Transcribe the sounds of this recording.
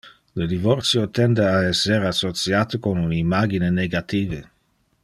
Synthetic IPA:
ləd̪ivort̪sjot̪ɛnd̪eaɛsːeɾasot͡sjaːt̪okonunimaɡineneɡat̪iːvə

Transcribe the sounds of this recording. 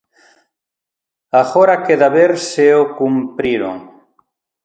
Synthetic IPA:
aɣoɾakeðaβeɾseokumpɾiɾo̰ŋ

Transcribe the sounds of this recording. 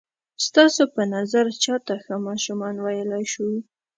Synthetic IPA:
st̪ɑsopənazaɾt͡ʃɑt̪axəmɑʃumɑnwajəlajʃu

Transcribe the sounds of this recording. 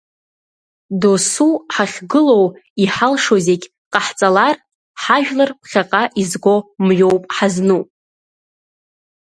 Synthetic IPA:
dosuħaχʲɡɨlo̞wiħalʂozeɡʲ | qʼaħt͡sʼalar | ħaʒᶣlarpʰχʲaqʼaʔizɡʷo̞mɥowpʼħaznu

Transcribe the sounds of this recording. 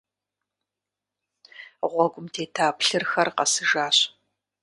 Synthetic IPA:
ʁʷɔɡʷʊmtʰeːtʰaːpɬɨrxɐrqɐsɨʒaːɕ

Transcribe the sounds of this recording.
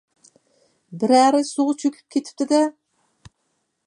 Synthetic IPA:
bɪɾæɾɪsoʁt͡ʃʰøkʲʰy̥p̚kʲʰet̪ʰɪ̥p̚t̪ʰɪd̪ɛ

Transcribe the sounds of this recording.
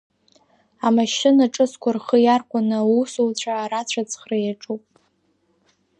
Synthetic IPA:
amaʃɪnaʈ͡ʂʼɨskʷʰarχəjarkʷʼanɨusolt͡ɕʷʰaːɾat͡ɕʷʰat͡sʰʼχrajaʈ͡ʂʼupʼ

